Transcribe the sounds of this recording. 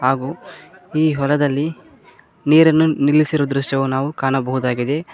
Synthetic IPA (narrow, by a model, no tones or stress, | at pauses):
ɦaːɡuːiːɦɔlɐd̪ɐlːi | niːɾɐnːunilːisiɾoːd̪ɾuʂʈjɐʋunaːʋukaːɳɐbɐɦud̪aːɡid̪e̞